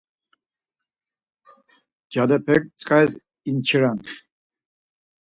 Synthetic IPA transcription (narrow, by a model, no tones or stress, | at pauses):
d͡ʒad̪ɛpʰɛk̚t͡sʼkʼaɛz | int͡ʃʰiɾan